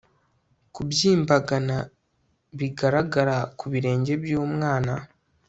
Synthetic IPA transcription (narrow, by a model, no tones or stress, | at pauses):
kubjiːmbaɡana | βiɡaɾaɡaɾakuβiɾe̞ːɲɟe̞bjoːmŋaːna